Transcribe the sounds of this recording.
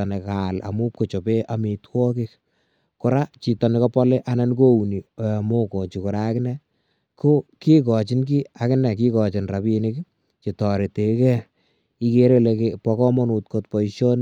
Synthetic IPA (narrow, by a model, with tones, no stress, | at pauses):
ɔne˨kala̰˨mu˦p̚ko˨t͡ʃo˨pe˦ʔa˨me˨twɔ˦kɪk | kʊ˨ɾa˦t͡ʃi˨tɔ˨ne˨kɔ˦pɔ˦le˦ʔa˦na˦nko˦u˨ni˨amo˦ko˨t͡ʃi˨kʊ˨ɾa˦kɪ˦nɛ˦ | ko˦ki˦kɔ˨t͡ʃɪ˦nk̬i˦akɪ˦nɛ˨k̬i˦kɔ˨t͡ʃɪ˨nrapinɪ˦k | t͡ʃi˨tɔɾe˨te˨kɛ˦ | i˦ke˦ɾe˦le˨kepɔ˨kɔ˦mɔ˦nu˨tkot̚pɔ˨iʃo˦n